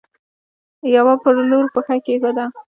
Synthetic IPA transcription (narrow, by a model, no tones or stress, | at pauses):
jawapəɾloɾxəxakeɡəd̪a